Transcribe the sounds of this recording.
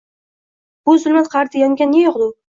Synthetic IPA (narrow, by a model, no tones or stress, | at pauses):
b̥ʊzʊlˠmat̪qʰɑɾt̪ʰɪjaŋɡʲanːejɒqd̪ʊ